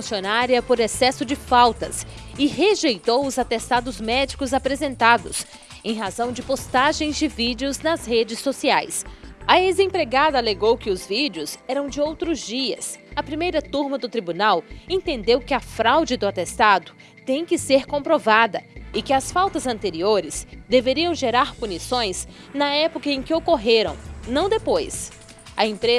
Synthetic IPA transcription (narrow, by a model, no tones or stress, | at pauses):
ũsionaɾiɐpoɾesɛsʊd͡ʒɪfawt̪ɐsɪɦeʒejt̪owʊzat̪est̪ad̪ʊzmɛd͡ʒikʊzapɾezẽnt̪ad̪ʊ̰s | ẽj̃ɦazɐ̃w̃d͡ʒɪpost̪aʒẽj̃zd͡ʒɪvid͡ʒɪʊznɐzhed͡ʒɪsːosiajsɐezẽpɾeɡad̪ɐːleɡowkɪʊzvid͡ʒɪʊzɛɾɐ̃w̃d͡ʒɪowt̪ɾʊzd͡ʒiɐsɐpɾimejɾɐt̪uɾmɐd̪ʊt̪ɾibunawẽnt̪ẽnd̪ewkɪɐfɾawd͡ʒɪd̪ʊat̪est̪ad̪ʊ | t̪ẽj̃kɪseɾkõpɾovad̪ɐɪkɪɐsfawt̪ɐzɐ̃nt̪eɾioɾɪsd̪eveɾiɐ̃w̃ʒeɾaɾpunisõj̃snɐɛpokɐẽkɪokoɦeɾɐ̰̃w̃nɐ̃w̃d̪epojs | ɐẽpɾe